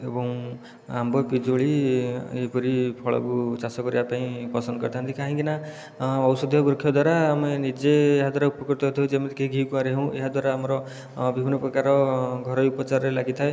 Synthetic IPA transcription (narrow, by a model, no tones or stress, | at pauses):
ebɔ̃ŋ | a̰mbɔpid͡ʒoɭieipɔɾipʰɔɭɔ̰kut͡ʃasɔkɔɾḭapaĩpɔsɔnd̪ɔkɔɾt̪ʰaɦnt̪ʰikaɦĩkina | ɔwsɔd̪ʱjɔbɾukʰjɔd̪waɾaːmenid͡ʒeːɦad̪waɾaupɔkɔɾt̪ɔɦt̪ʰɔɦud͡ʒemet̪ekʰeiɡʱikuãɾeɦũḛɦad̪waɾaːmɔɾɔ | bibʱinɔpɾɔkaɾɔɡʱɔɾɔjupɔt͡ʃaɾɔɾelaɡit̪ʰae